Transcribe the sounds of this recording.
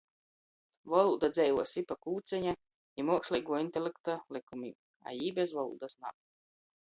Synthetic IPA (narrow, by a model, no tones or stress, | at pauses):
vɔlˠuːd̪ad̪zɛjvuɔsipakuːt̪sʲɛɲa | imuɔksʲlʲˠijɡuɔinʲt̪ʲelʲekt̪alikumḭːb | a̰jiːbezvɔlˠṵːd̪asna̰w